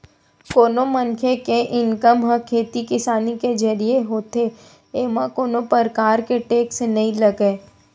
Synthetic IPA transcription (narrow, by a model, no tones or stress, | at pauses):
koːnomənkʰekeʔɪnkəmɦə̃kʰeːt̪ikɪsaːniked͡ʒɐɾijeɦoːt̪e | eːmãkoːnõpəɾkaːɾkeʈeːksenɐɦĩlɐɡeː